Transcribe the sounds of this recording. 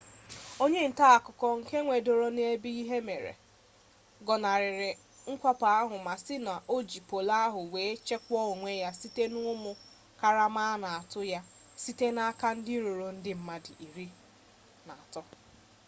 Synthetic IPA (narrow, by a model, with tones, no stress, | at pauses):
o˦ɲe˦n̩˨ta˦a˨kʊ˨kɔ˦ŋ̩˨ke˦ŋʷe˨do˨ɾo˦n˦e˦bi˦i˦ɦe˦me˨ɾḛ˨ | ɡɔ˨na˨ɾɪ˨ɾɪ˨ | ŋ̩˦kʷa˦pa˨a˦ɦʊ˨ma˨sɪ˦na˨ʔo˦d͡ʒi˨po˨la˦a˦ɦʊ˨we˨˦t͡ʃe˦kʷɔ˦o˨ŋʷe˦ja˦si˦te˦nʊ˦mʊ˦ | ka˨ɾa˦ma˦na˨a˨tʊ˦ja˦ | si˦te˦na˦ka˦n̩˦dɪ˦ɾo˨ɾo˨n̩˦dɪ˦m̩˦ma˦dɪ˨ʔi˨ɾi˦ | na˨a˨tɔ˦